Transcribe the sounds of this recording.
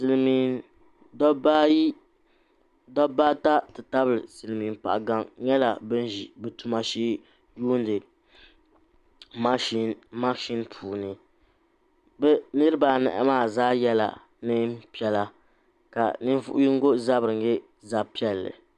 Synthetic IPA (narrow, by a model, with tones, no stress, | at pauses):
sɨ˨lmi˨ | dɔ˦ba˦ji˦ | dɔ˦baː˦ta˦tɨ˨ta˦bɨ˨lɨ˨sɨ˨lɨ˨mi˨npa̰˨ʔɡa˦ŋɲɛ˦la˨bɨ˦n˦ʒi˨bɛ˨tu˨ma˨ʃiː˦ | juː˦ndɨ˨ | ma˦i˦˨nma˦ʃi˦npʰuː˨nɨ˨ | bɛ˦nɨ˦ɾɨ˦ba˨nɛ̰˨ʔɛ̰˦maː˦˨zaː˦jɛ˦la̰˨ | nɨ˦pi˦ɛ˨la˨ | ka̰˨nɨ˦n˦vʊ̰˦ʔʊ˦ji˦ŋ˦ɡo˦za˦bɾɨ˨ŋ˦ɡɛ˦ | za˨pi˦ɛ˦lːɨ̰˨